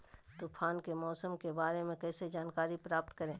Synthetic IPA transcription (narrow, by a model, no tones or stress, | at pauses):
t̪uːpʰaːnkemɔːsəmkebaːɾemẽkɛːsed͡ʒaːnkaːɾipɾaːpt̪kɐɾẽː